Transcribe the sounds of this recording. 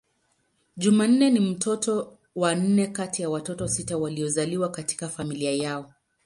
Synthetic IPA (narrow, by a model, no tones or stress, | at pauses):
ʄuman̩nɛnim̩tɔtɔ | wan̩nɛkatijawatɔtɔsitawaliɔzaliwakati̥kafamiliajaɔ